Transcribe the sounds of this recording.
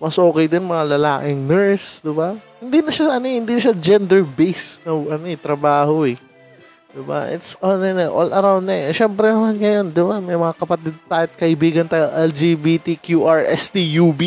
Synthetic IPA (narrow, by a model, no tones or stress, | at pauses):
mɐsʔo̞ːkɛjd̪ɪnmɐŋalɐlaːkɪŋnɛɹsd̪ɪbahɪnd̪inɐʃaɐnohɪnd̪inɐʃad͡ʒɛnd̪ɛɹbejsnɐʔɐnoɛt̪ɾɐbaːhoɛ | d̪̥ɪba̰ʔɪ̰t̪sʔonɪnɛʔolʔɐɾawnnɐɛʃɛmpɾɛnɐmanŋɐjo̞nd̪ɪbamɐjmɐŋakɐpɐt̪ɪd̪̚t̪aːjt̪̚kɐʔɪbiːɡɐnt̪aːjoʔɛld͡ʒibiːt̪ikjuʔaɹʔɛst̪ijubi